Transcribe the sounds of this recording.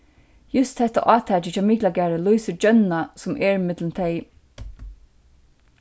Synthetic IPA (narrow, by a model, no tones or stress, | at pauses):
jʊst̪hɛt̪a̰ʔɑːt̪ʰæːt͡ʃət͡ʃʰaːmiːklaɡæːɹəlujsəd͡ʒœnːasʊmʔɛːɹɪmɪt̪lənt̪ʰɛɪ